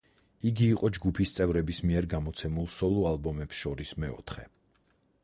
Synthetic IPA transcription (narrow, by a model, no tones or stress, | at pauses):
iɡiːqʼɔd͡ʒɡupʰist̪sʼɛvɾɛbismiɛɾɡamɔt̪sʰɛmulˠsɔlˠɔalˠbɔmɛpsʃɔɾismɛɔ̰t̪ʰχɛ